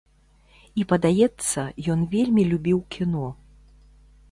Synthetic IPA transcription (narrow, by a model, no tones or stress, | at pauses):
ipɐd̪ajɛt̪sːɐjɔnvʲelʲmʲilʲubʲiwkʲʰinɔ